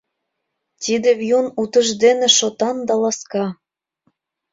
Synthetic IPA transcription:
t̪id̪evjunut̪ɤ̆ʒd̪enĕʃot̪ɑnd̪ɑlɑskɑ

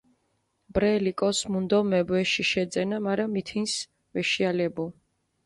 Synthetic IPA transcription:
b̥ɾɛlikʼɔsmund̪ɔmɛbɛʃiʃɛd̪zɛnamaɾamit̪ʰins | vɛʃialɛbu

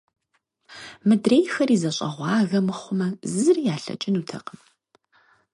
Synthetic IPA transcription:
mɨdreːjxɐriːzɐɕʼɐ̰ʁʷɑːɣɐmɨχʷʊmɐzɨzɨrijaːɬɐ̰t͡ʃʼɪnuːtʰɐ̰qəm

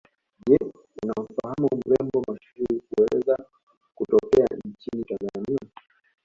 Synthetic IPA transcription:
ʄɛ | unam̩fahamum̩lɛmbɔmaʃuɾiikuɛlɛ̰za | kutɔkɛa̰nt͡ʃinitanzania

